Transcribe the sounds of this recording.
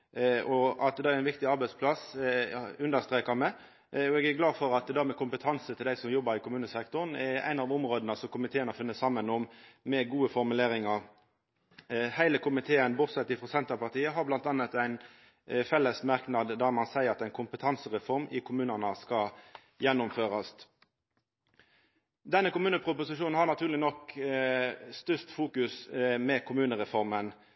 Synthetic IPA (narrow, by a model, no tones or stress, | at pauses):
ʔɔɑt̪̚d̪ɑːæɾæɪʋɪkt̪ɪɑɾbæɪspʰlɑs | ʉnd̪əʁst̪ʁeːkɑmɛ | ɔɛɡæɾɡlɑːd̪fɔɾɑt̪d̪æɾmɛkʰʊmpət̪ʰɑnsət̪ʰɪld̪æɪsɔmjɔbːəɾɪkʊmʉːnəsɛkt̪ʊɾənɛæ̰ɪnɑːʋʊmʁoːd̪ənəsɔmkʰʊmɪt̪ʰeːənɔfɪnːəsɑmːənɔmmɛɡuːəfɔɾmʉleːʁɾɪŋɑʁ | hæɪləkʰʊmɪt̪ʰeːənbʊt̪sɛt̪ːɪfʁɔsɛnt̪əpɑʁt̪ʰiːəɦɑɾblɑnt̪ɑnːət̪æɪn | fɛlːəsmɑɾknɑd̪d̪ɑmɑnsæɪəɾɑt̪æɪnkʰʊmpət̪ʰɑnsəʁɛfɔɾmɪkʰʊmʉːnənəskɑ | jɛnːʊmføːʁɑs | d̪ɛnːəkʊmʉːnəpʰɾʊpʊsɪʃuːnn̩hɑʁnɑt̪ʰʉːʁlɪnɔk | st̪ʏst̪fuːkʉsmɛkʰʊmʉːnəʁɛfɔʁmən